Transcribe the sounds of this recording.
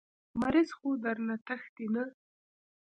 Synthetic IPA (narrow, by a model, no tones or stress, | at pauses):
maɾɪzxod̪aɾnat̪axt̪ina